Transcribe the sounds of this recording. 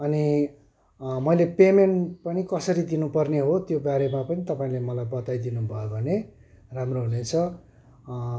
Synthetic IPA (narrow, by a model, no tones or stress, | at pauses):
ʌni | mʌjlepemenʈpʌnikʌsʌɾid̪inupʌrneɦot̪jobaɾemapʌnit̪ʌpaĩlemʌlajbʌt̪ajd̪inubʱʌjobʱʌne | ramroɦunet͡sʰʌ